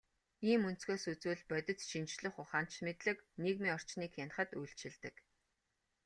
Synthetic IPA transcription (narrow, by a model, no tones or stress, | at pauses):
iːmɵn̥t͡sɡeːsut͡suːɮpœt̪ʲɪ̆t͡sʃint͡ɕɮɘ̆χʊχaːn̥t͡ɕmet̪ɮɘ̆kniːkmiːɔr̥t͡ɕniːkxanχə̆t̪ujɬt͡ɕɪ̆ɮt̪ɘ̆k